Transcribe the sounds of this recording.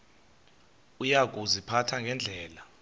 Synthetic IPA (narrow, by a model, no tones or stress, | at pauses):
ujak̬ʼuzipʰatʰaŋɡʱɛnd͡ɮʱɛːla